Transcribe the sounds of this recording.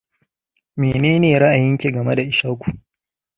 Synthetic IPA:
meː˨neː˦neː˨ɾa˦ʔa˨jɪ˦ŋkʲe˨ɡɐ˨me˦da˨ʔɪ˨ʃaː˦kʷu˨

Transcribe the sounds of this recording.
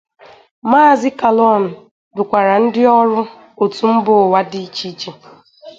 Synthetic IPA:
ma˦˨zɪ˦ka˨lɔ˦˨n̩˨ | dʊ˨kʷa˨ɾa˨n̩˦dɪ˦ɔ˦ɾʊ˦ | o˨tu˨m̩˦bʊ˨wa˦dɪ˦t͡ʃi˦t͡ʃi˨

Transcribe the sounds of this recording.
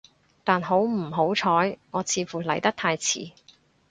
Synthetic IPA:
t̪aː˨nɦo˨˥wm̩˨˩ɦo˨˥wt͡ʃʰɔː˨˥jŋɔː˨˧t͡sʰiː˨˧fuː˨˩lɐ˨˩jt̪ɐ˥k̚t̪ʰaː˧jt͡sʰḭː˨˩

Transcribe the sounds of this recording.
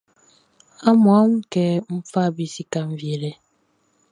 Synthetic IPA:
a˦mwa˦mkɛː˨m̩˦fa˦bi˨si˦ka˦m˨vje˨lɛ˨

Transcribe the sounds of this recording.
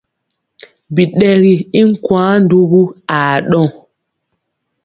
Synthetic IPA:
bi˨ɗɛ˦ɣi˨i˦ŋ˦kwãː˨˦n˦du˦ɣu˦a˨ɗɔ˦˨ŋ

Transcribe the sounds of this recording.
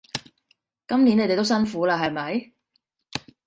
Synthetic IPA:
kɐ˥mni˨˥ne˨˧t̪e˨t̪o˥wsɐ˥nfuː˨˥laː˧ɦɐ˨jmɐ˨˥j

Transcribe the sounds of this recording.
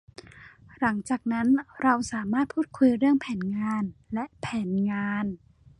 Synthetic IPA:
la˩˦ŋt͡ɕaː˨˩k̚na˦˥nɾa˧wsaː˩˦maː˥˩t̪̚pʰuː˥˩t̪̚kʰu˧jɾɯ˥˩əŋpʰɛː˩˦nŋaː˧nlɛ˦˥ʔpʰɛː˩˦nŋaː˧n

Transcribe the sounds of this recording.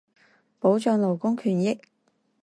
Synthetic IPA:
po˨˥wt͡ʃœː˨˧ŋlo˨˩wkʊ˥ŋkʰyː˨˩njɪ˥k̚

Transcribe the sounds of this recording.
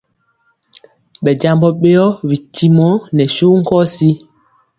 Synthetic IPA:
ɓɛ˨d͡ʒa˨mbɔ˦ɓɛ˦jɔ˦wi˨tːi˦mɔ˦nɛ˨su˦ŋ̩˦kɔ˦si˦

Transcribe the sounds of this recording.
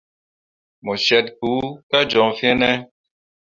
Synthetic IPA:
mɔ˨ʃɛ˨t̚ku˨˦ka˦d͡ʒɔ̃˨fĩ˦ɛ˦nɛ˦

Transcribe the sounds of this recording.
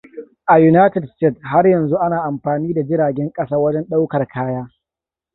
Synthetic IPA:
ʔa˨ju˦naː˦tɛ˨dstɛ˦˨tha˦rjɐ˨nzu˦ʔa˦naː˨ʔa˨mɸaː˨niː˦da˨d͡ʒɪ˦ɾaː˨ɡʲɛ˦ŋkʼɐ˦saː˦wɐ˦d͡ʒɛ˦nɗa˦wkɐ˨rkʰaː˦jaː˦

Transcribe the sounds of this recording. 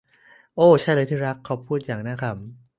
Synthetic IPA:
ʔoː˧˩t͡ɕʰa˥˩jlɤː˧jt̪ʰiː˥˩ɾa˦˥kʰːa˦˥wpʰuː˥˩t̪̚jaː˨˩ŋ̚naː˦˥kʰa˦˥˩p̚

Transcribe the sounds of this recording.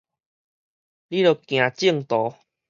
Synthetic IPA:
li˦lo˨˩kj̃ã˨t͡ɕi˥˨ŋt̪ɔ˨˦

